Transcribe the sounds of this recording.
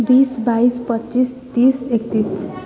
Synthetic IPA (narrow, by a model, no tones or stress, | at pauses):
bisbaispʌtːt͡ʃist̪isek̚t̪is